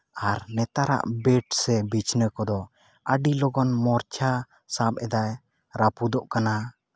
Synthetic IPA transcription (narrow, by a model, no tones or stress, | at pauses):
aɾnɛt̪aɾa̰ʔbɛʈsɛbit͡ʃnəkɔd̪ɔ | əɖilɔɡɔnmɔɾt͡ʃʰa | sap̚ɛd̪aj | ɾapud̪ɔʔkana